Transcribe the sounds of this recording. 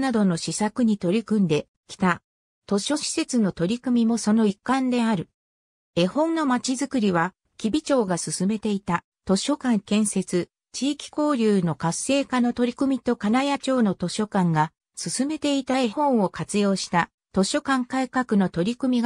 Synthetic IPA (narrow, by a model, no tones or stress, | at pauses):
nad̪ono̞ɕisakɯ̟ɲ̟it̪o̞ɾʲikɯ̟̃nd̪e̞ | kʲi̥t̪a | t̪o̞ɕo̞ɕi̥se̞t͡sɨno̞t̪o̞ɾʲikɯ̟mʲimo̞so̞no̞ikːãnd̪e̞aɾɯ̟ | e̞hõ̞nːo̞mat͡ɕizɨkɯɾʲiβa | kʲibʲit͡ɕo̞ːɡasɨsɨme̞t̪e̞it̪a | t̪o̞ɕo̞kãŋkẽ̞ɰ̃se̞t͡sɨ | t͡ɕiːkʲi̥ko̞ːɾʲɯːno̞kasːe̞ːkano̞t̪o̞ɾʲikɯ̟mʲit̪o̞kanajat͡ɕo̞ːno̞t̪o̞ɕo̞kãŋɡa | sɨsɨme̞t̪e̞it̪aehõ̞ɰ̃o̞kat͡sɨjo̞ːɕi̥t̪a | t̪o̞ɕo̞kãŋkaikakɯ̟no̞t̪o̞ɾʲikɯ̟mʲiɡ